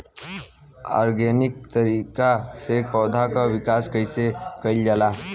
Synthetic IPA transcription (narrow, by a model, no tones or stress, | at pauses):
a̰ɾɡenik̚t̪əɾikasek̚pɔwd̪ʱakaʋikaskəjsekəild͡ʒala